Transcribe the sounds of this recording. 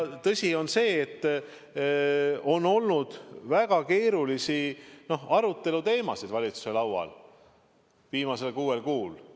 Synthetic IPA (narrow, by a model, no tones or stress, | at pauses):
t̪ɤsʲio̞nse̞ːt̪ː | o̞nːo̞lnud̪̥væɡ̥ɑke̞ːɾulisino̞hɑɾut̪ˑːe̞lut̪e̞ːmɑ̰sid̪̥vɑlʲit̪su̥se̞lɑwwɑ̰l | viːmɑse̞lkuːe̞lkuːl